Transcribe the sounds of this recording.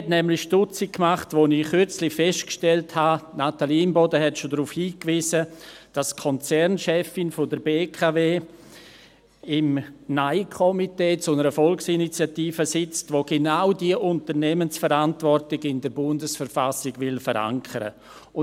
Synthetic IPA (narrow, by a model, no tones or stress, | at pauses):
ɛtnɛmlɪʃtʊt͡sɪkːmaχtʋoːnɪχʏɾt͡slɪfɛʃtkʃtɛlthanatalimbɔdəɦɛtʃodɾuːfhiːkviːzəd̥askʰɔnt͡sɛɾnʃɛfɪnfʊdəbeːkʰaveː | ɪmnaɪkʰɔmiteːt͡sʊnəɾəfɔlksinit͡sjatiːfəsɪt͡stvoːɡenaʊdiəʔʊntərnɛmənsfəɾantvɔrtɪɡɪndəɾbʊndəsfəɾfasɪɡvɪlfəɾa̰ŋkʰəɾə̰ | ʊ